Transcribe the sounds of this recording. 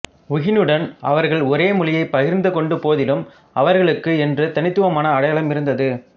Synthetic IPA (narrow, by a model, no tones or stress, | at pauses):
ʊɣɪnɯɽɐnɐ̰ʋɐɾɣɐɭɔɾeːmʊlɪjɐɪpːɐɣɪɾnd̪ɯkɔɳɖɯpoːðɪlɯm | ɐʋɐɾɣɐɭɯkːɯɛndrɯt̪ɐnɪt̪ːɯʋɐmaːnɐːɽɐjaːlɐmɪɾɯnd̪ɐðɯ